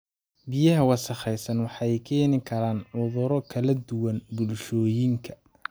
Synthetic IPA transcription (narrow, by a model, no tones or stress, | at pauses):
bijɐɦɐwɑsɐχɛjsɐnwɑħɑɛjkʰɛːnɪkʰɐɾaːnʕʊðʊɾɔkʰɐlɐd̪ʊwɐnbʊlʃɔːjɪŋkʰɐ